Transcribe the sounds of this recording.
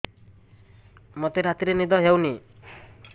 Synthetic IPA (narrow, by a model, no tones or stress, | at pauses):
mɔt̪eɾat̪iɾenid̪ɔɦewni